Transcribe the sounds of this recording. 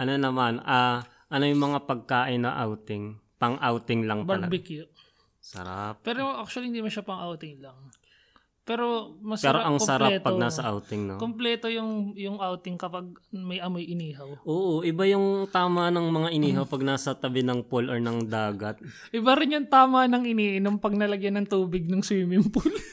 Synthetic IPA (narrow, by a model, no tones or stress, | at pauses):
ʔɐnonɐmanʔaː | ʔɐnojʊŋmɐŋapɐɡ̚kaːʔɪnːɐ̰ʔawt̪ɪŋpɐŋʔawt̪ɪŋlɐŋpbɐɐɡlɐɡbɪkjoʔ | sɐ̰ɾa̰p̚pːɛːɾoʔak̚t͡ʃʊɐlihɪnd̪imɐʃɐpɐŋʔawt̪ɪŋlɐŋ | pɛːɾomɐspɛːɾoʔɐŋsɐɾaɛpːtpːɐɡnaːsɐʔawt̪ɪŋnokomplɛːt̪ojʊŋjʊŋʔawt̪ɪŋkɐpaɡ̚mɐjʔɐmojʔɪniːɦɐwʔoːʔoʔɪbajʊŋt̪aːmɐnɐŋmɐŋaʔɪniːɦɐwpɐɡ̚naːsɐt̪ɐbɪnɐŋpoloɹnɐŋd̪aːɡɐt̪̚ | ʔɪbaɾɪnjʊŋt̪aːmɐnɐŋʔɪniːʔɪnompɐɡ̚nɐlɐɡjɐnɐŋt̪uːbɪɡ̚nʊŋsiːmɪmpʊl